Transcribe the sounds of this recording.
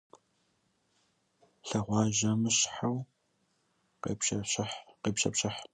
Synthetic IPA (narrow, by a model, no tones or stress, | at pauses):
ɬɐʁʷɑːʒɐmɨɕħaw | qḛpɕɐɕɐħqeːpɕɐpɕɐħ